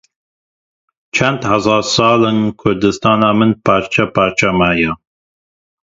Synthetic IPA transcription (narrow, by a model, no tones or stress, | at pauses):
t͡ʃʰænd̪hazɑːɾsɑːlɨnkʰʊɾd̪ɨst̪ʰɑːnɑːmɨnpʰɑːɾt͡ʃʰapʰaːɾt͡ʃʰamaːja